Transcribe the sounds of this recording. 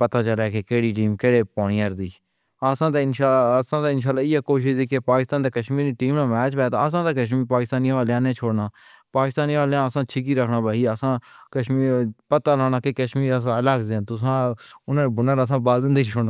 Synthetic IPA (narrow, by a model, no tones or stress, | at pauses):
pət̪aːt͡ʃəlɛːkeːkeːɽiːʈiːmkeːɽeːpaːniːəɾd̪iː | əsãːd̪eɪnʃaːsãːd̪eːɪnʃaːlːaːɪjaːkoːʃɪʃd̪iːkepaːkɪst̪aːnd̪eːkəʃmiːɾnĩːʈiːmnãːmɛːt͡ʃbɛːt̪aːəs̬ãːd̪aːkəʃmiːɾpaːkɪst̪aːnijãʋaːleãːnẽːt͡ʃʰoːɽnaː | paːkɪst̪aːnĩʋaːleãːəsãːt͡ʃʰɪk̬iːɾəkʰnaːbaːiːəsãːkəʃmiːɾpət̪aːlaːnaːkeːkəʃmiːɾəs̬ãːlaːkzẽt̪ʊsãːʊnãːebʊnãːɾs̬ãːbaːld̪ɪnd̪eːt͡ʃʰʊɽnaː